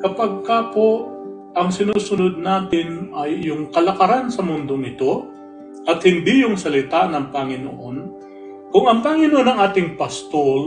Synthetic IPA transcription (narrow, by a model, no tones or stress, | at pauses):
kɐpaɡ̚kapo̞ | ʔɐŋsɪnuːsʊnod̪̚naːt̪ɪnʔɐjːʊŋkɐlɐkɐɾansɐmʊnd̪oŋɪt̪o̞ | ʔɐt̪̚hɪnd̪ijʊŋsɐlɪt̪anɐŋpɐŋɪnoʔo̞n | kʊŋɐŋpɐŋɪnoʔonːɐŋʔaːt̪ɪŋpɐst̪ol